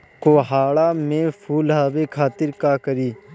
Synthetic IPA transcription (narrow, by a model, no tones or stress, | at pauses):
koːɦaːɭamẽpʰuːlɦaːbekʰaːt̪ɪɾkakəɾiː